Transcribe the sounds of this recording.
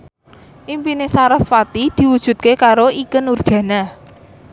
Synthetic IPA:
ʔimpinesaɾɔsfat̪id̪̥i̤wud̥ʒ̥ṳt̪̚kekaɾoikənurd̥ʒ̥ä̤na

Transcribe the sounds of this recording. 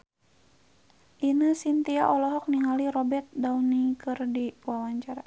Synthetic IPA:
ʔinəsint̪iaʔɔlɔɦɔk̚niŋaliɾɔbɛrt̪̚daunikɨrdiwawaɲt͡ʃaɾa

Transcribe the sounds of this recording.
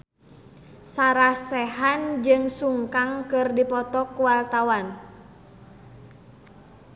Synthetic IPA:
saɾasɛɦand͡ʒɨŋsuŋkaŋkɨrdipɔt̪ɔkuwalt̪awan

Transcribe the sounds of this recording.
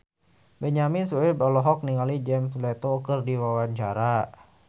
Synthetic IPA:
bɛɲaminsuɛbalɔɦɔk̚niŋalid͡ʒɛmslɛt̪okɨrdiwawaɲt͡ʃaɾa

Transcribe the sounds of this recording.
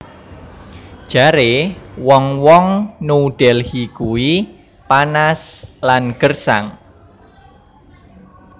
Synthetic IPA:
d̥ʒ̥a̤ɾewɔŋwɔŋnuɖ̥ɛlhikuwi | panaslanɡ̥ərsa̰ŋ

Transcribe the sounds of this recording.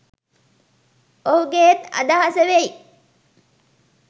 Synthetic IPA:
oɦuɡet̪ɐ̰d̪aɦasəʋei

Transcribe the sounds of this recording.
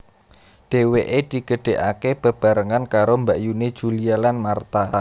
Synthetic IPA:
ɖ̥e̤weʔed̪̥i̤ɡəɖ̥e̤ʔakeb̥ə̤b̥a̤ɾəŋankaɾombaʔjuned̥ʒ̥ulialanmart̪a

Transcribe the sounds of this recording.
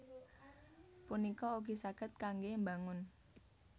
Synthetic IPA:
punikɔuɡisaɡ̥ə̤t̪̚kaŋɡembaŋʊn

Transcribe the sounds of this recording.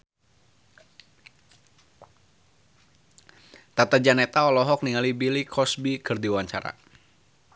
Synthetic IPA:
t̪at̪ad͡ʒanɛt̪aɔlɔɦɔk̚niŋalibilikʰɔsbikɨrdiwaɲt͡ʃaɾa̰

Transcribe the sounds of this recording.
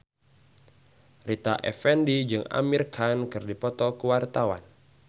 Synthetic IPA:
rit̪aʔɛ̰fɛndid͡ʒɨŋa̰mirkʰankɨrdipɔt̪ɔkəwart̪awa̰n

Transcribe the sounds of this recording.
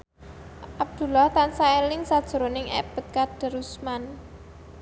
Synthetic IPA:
ʔab̚d̪̥ṳlaht̪ansaelɪŋsad̥ʒ̥ə̤ɾonɪŋʔɛ̰b̥ə̤t̪̚kad̪̥ə̤ɾusman

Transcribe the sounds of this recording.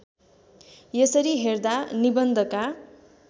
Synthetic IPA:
jesʌɾiɦerd̪anibʌnd̪ʱʌka

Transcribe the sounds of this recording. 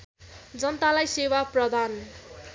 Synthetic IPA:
d͡zʌnʌt̪alajsewaprʌd̪ʱan

